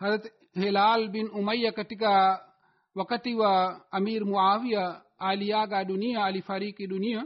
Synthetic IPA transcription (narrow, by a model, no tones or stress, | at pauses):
hɐzɐt̪ | ɦelaːlbinumɐjːɐkɐʈ̪ika | ʋɐkɐt̪iʋɐɐmiːɾmuʕaːwija | aːlijaːɡaːɗunijaɐlifɐɾiːkid̪unija